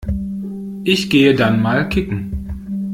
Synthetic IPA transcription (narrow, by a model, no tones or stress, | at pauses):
ʔɪçɡ̥eːədanmaːlkʰɪkŋ̩